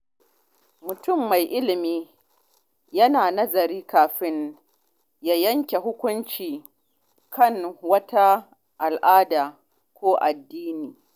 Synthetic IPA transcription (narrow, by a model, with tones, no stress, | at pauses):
mʊ˨tʊ˦˨mːa˨jʔɪ˦lɪ˨miː˦ | jɐ˦naː˨nɐ˦zɐ˨ɾiː˦kaː˨ɸɪ˦n | jaː˦jɐ˦ŋkʲe˨ɦʊ˦kʷʊ˦nt͡ʃiː˨ | kʰɐ˦˨ŋwɐ˦ta˦ | ʔa˨lʔaː˦daː˨ | kʷoː˦ʔa˨dːiː˦niː˨